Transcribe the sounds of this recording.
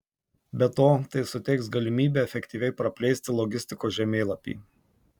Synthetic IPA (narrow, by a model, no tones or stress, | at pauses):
bʲɛt̪oːt̪ɐɪsʊt̪ʲɛɪksɡɐlʲɪmʲiːbʲeːɛfʲɛkt̪ʲiːʋʲɛɪpɾɐpʲlʲɛɪsʲt̪ʲɪlˠɔɡʲɪsʲt̪ʲɪkoːʒʲɛmʲeːlˠɐpʲḭː